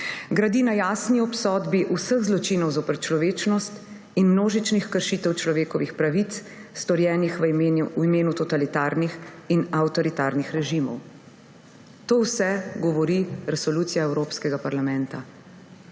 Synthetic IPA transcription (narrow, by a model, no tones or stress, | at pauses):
ɡɾad̪inajaːsniɔpsɔːd̪biʔusəɣzlɔt͡ʃinɔwzopɛɾt͡ʃlɔʋeːt͡ʃnɔst̪ | inmnoːʒit͡ʃnixkəɾʃiːt̪ɛwt͡ʃlɔʋeːkɔʋixpɾaʋit̪s | st̪ɔɾjɛːnixʋuimeːnut̪ɔt̪alit̪aːɾnixinawt̪ɔɾit̪aːɾnixɾɛʒimɔ̰w | t̪oːwsɛɡɔʋɔɾiɾɛsɔluːt̪sijaɛwɾoːpskɛɡapaɾlamɛ̃nt̪a